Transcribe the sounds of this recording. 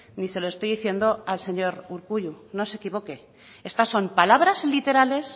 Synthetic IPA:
nise̞loe̞st̪o̞jðiθje̞nd̪o̞alse̞ɲo̞ɾuɾkuʎuno̞se̞kiβ̞o̞ke̞ | e̞st̪asːo̞mpalaβ̞ɾazlit̪e̞ɾale̞s

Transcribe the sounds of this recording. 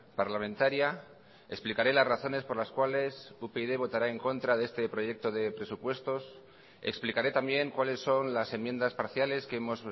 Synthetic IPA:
paɾlamẽnt̪aɾja | e̞ksplikaɾe̞lazraθo̞ne̞spo̞ɾlaskwale̞supeiðe̞β̞o̞t̪aɾae̞ŋko̞nt̪ɾaðee̞st̪e̞pɾo̞ʝe̞k̚t̪o̞ðe̞pɾe̞supwe̞st̪o̞s | e̞̰ksplikaɾe̞t̪ambje̞ŋkwale̞sːo̞nlase̞mjẽ̞nd̪aspaɾθjale̞skeemo̞s

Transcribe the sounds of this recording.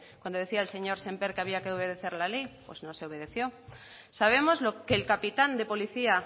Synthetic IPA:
kwand̪oðe̞θiaelse̞ɲo̞ɾse̞mpeɾkeaβ̞iakeo̞β̞e̞ð̞e̞θe̞ɾlalejpwezno̞se̞oβe̞ð̞e̞θjo̞ | saβ̞e̞mo̞zlokeːlkapit̪and̪e̞po̞liθia

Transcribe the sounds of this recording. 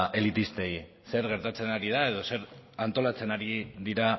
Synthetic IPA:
ʔe̞lit̪ist̪e̞j | se̞ɾɣe̞ɾt̪at͡se̞naɾið̞ae̞ð̞o̞se̞ɾant̪o̞lat͡se̞naɾiðiɾa

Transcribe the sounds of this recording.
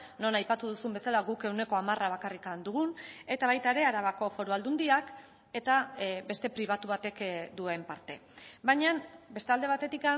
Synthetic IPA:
no̞najpat̪uðusumbe̞salaɣuke̞wne̞ko̞amaraβ̞akarikand̪uɣune̞t̪aβajt̪aeɾe̞aɾaβako̞fo̞ɾuald̪und̪iak | e̞t̪abe̞st̪e̞pɾiβ̞at̪uβ̞at̪e̞kd̪ue̞mpaɾt̪e̞baɲanbe̞st̪e̞ald̪e̞at̪e̞t̪ika

